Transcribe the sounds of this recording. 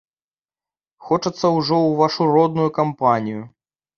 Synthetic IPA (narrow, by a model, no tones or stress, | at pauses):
xɔt͡ʂɐt̪sːɐwʐɔwvaʂuɾɔd̪̚nujukampanʲiju